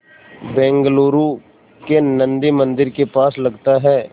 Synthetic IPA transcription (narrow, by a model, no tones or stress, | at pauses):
bɛ̃ːŋɡloːɾu | kenɐ̃nd̪imɐ̃nd̪ɪɾkepaːslɐɡt̪aɦɛː